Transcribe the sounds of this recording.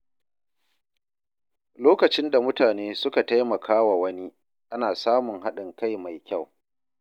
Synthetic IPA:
loː˦kɐ˨t͡ʃɪ˦nda˨mʊ˦taː˨neː˦sʊ˦ka˨ta˦jmɐ˨kʰaː˦wa˨wɐ˦ni˦ | ʔa˦naː˨saː˦mʊ˨ŋɦa˦ɗɪ˨ŋka˦jma˨jkʲa˦˨w

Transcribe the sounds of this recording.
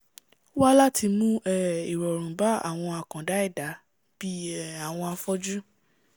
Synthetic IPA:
wa˦la˦ti˧mũ˦ɛ˦˨i˨ɾɔ˨ɾ̃ũ˨ba˦a̰˦˨w̃ɔ̃˧a˨kã˨da˨˦ɛ˦˨da˨˦ | b̥i˦ɛ˦˨a˨w̃ɔ̃˧a˧fɔ˦d͡ʒu˦

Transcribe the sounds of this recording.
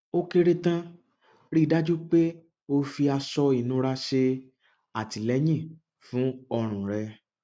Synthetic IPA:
o˧ke˧ɾe˧tã˧ | ɾi˦˨da˦d͡ʒu˦k͡pe˦ | o˧fi˧a˧sɔ˧i˨nũ˧˦ɾa˧ʃe˧ | a˨ti˨lɛ˨˦jĩ˦˨ | fũ˨˦ɔ˧ɾ̃ũ˨ɾɛ˧

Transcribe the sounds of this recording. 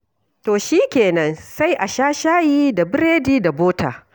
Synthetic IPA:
toː˨ʃiː˦kʲeː˨nɐ˦nsa˦jʔa˨ʃaː˦ʃaː˦jiː˦da˨bɪ˦ɾeː˦diː˦da˨boː˦ta̰ː˨

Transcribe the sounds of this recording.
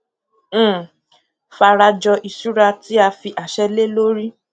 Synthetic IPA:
fa˧ɾa˧d͡ʒɔ˧ʔi˧su˦ɾa˧ti˦a˧fi˧ʔa˨ʃɛ˦le˦lo˦ɾi˦

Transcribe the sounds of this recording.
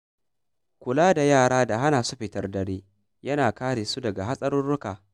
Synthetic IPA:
kʷʊ˨laː˦da˨jaː˦˨ɽaː˦da˨ɦa˦naː˨su˦ɸɪ˨tɐ˦rdɐ˨ɽeː˦ | jɐ˦naː˨kaː˦ɽeː˨su˦dɐ˨ɡa˨ɦa˦sʼɐ˦ɾʊ˦nɽʊ˦kaː˨

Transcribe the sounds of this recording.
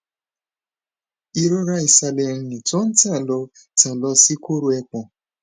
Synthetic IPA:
i˦ɾo˦ɾa˦i˨sa˨le˨n̩˦nɪ˨tʊ˦n̩˦ta˦a˨lɔ˦ | ta˨lɔ˦si˦ko˦ɾu˨˦e˦k͡pɔ˨

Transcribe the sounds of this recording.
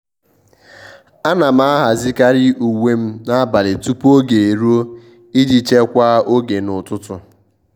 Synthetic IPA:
a˦na˨m̩˦a˦a˦ɦa˨zi˦ka˦ɾɪ˦ʔu˨ŋe˦m̩˦na˦ba˨lɪ˨tu˦po˦ɡe˨e˨ɾu˦o˦ | i˦d͡ʒi˦t͡ʃe˦kʷa˦o˦ɡe˨nʊ˨tʊ˦tʊ˨

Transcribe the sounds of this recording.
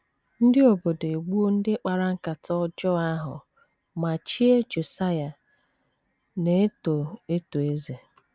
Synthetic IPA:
n̩˦dɪ˦o˨bo˨de˨ɡ͡bu˦o˦n̩˦dɪ˦k͡pa˨ɾa˦ŋ̩˦ka˨tɔ˦d͡ʒɔ˦a˦ɦʊ̰˨ | ma˨t͡ʃi˦e˦d͡ʒo˨sa˦ja˨ | ne˨e˦to˨e˦to˨e˦ze˨

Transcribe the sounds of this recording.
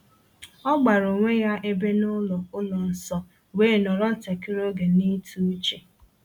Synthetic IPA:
ɔ˦ɡ͡ba˨ɾo˨ŋʷe˦ja˦ʔe˦be˦nʊ˦lɔ˨ʊ˦lɔ˨n̩˨sɔ˦ | weː˦˨nɔ˨ɾɔ˦n̩˨ta˨ki˦ɾo˦ɡe˨ni˦tʰu˦t͡ʃe˨

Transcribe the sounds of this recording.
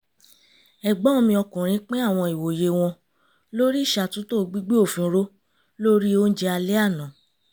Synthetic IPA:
ɛ˨ɡ͡ba˨˦õ˧mĩ˧ɔ˧kũ˨ɾ̃ĩ˨˦k͡pe˦a˦˨w̃ɔ̃˧i˨wo˨je˨w̃ɔ̃˧ | lo˦ɾi˦˨ʃa˧˨tũ˦to˦˧ɡ͡bi˦ɡ͡be˦o˦˨fĩ˨˦ɾo˦ | lo˦ɾi˦o˦n̩˦d͡ʒe˧˦a˧le˦a˦˨nã˨

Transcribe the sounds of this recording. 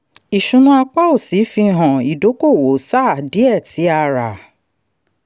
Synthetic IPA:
i˨ʃũ˧nũ˧a˧k͡pa˦o˦˨si˨˦fi˧ɦɔ̃˨i˨do˨˦ko˦˨wo˨˦sa˦˨di˨˦ɛ˦˨ti˨˦a˧ɾa̰˨

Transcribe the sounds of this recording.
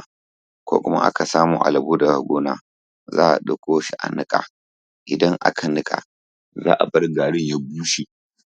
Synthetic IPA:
kʷo̰ː˦kʷʊ˦ma̰˦ʔa̰˦ka˨saː˦muː˨ʔa̰˨lɪ˨buː˦da˨ha˨ɡʷuː˦naː˨ | za̰ː˦ʔa̰˨ɗʊ˦kʷoː˦ʃi˦ʔa̰˨nɪ˦kʼa̰ː˨ | ʔɪ˨dɐ˦ŋʔa̰˦kʰa˨nɪ˦kʼa̰˨ | za̰ː˦˨ʔa˨bɐ˦rɡaː˨ɽɪ˦ɲja˦buː˦ʃi˨

